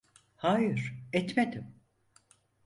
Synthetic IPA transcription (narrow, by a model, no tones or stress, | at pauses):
haːjɯɾ̥ɛt̪med̪im